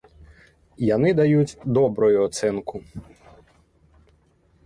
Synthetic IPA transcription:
jɐnɪd̪ɐjutʲd̪ɔbɾɔjʊɔt̪sɛnkʊ

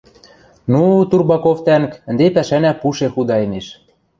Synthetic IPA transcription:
nut̪urbɑkoft̪ænkə̆nd̪epæʃænæpuʃexud̪ɑeneʃ

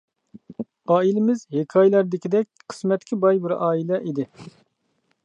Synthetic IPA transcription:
ɑːilɪmɪzhekʰɑjlæɾd̪ɪkʲid̪ɛk̚ʲqʰə̥smɛt̪kʰʲibɑjbɪɾʔɑːilɛʔid̪ɪ

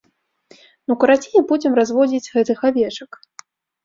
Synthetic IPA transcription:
nukɐɾat͡sʲinʲipud͡zʲimrazvɔd͡zʲit͡sʲɣɛt̪ɨxavʲɛʂɐk

